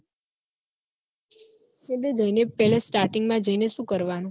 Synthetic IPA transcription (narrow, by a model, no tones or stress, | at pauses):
keted͡ʒəinepɛlesʈaɾʈiŋɡmãd͡ʒəineʃũkəɾʋanũ